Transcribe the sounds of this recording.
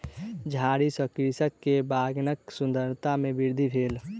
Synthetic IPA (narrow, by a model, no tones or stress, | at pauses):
d͡ʒʱaɾisə̃kɾisəkːebaɡnəksund̪əɾt̪amebiɾd̪ʱibʱeːl